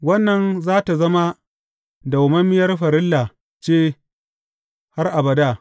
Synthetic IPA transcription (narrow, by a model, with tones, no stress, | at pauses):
wɐ˦nːɐ˨nzaː˦ta˨zɐ˦ma˦ | dɐ˨wmɐ˦mːɪ˦jɐ˦rɸɐ˨ɾɪ˦lːa˨ | t͡ʃeː˦ | ha˦rʔa˨bɐ˨daː˦˨